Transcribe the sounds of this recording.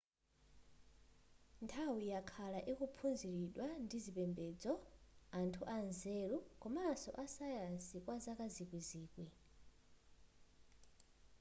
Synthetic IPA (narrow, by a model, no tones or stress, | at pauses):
ntʰawijakʰalaʔikupʰunziɾiɗwandizipɛmbɛd͡zɔantʰuʔanzɛɾukɔmaːsɔ̰ʔasajansikwazakazikwiziːkwi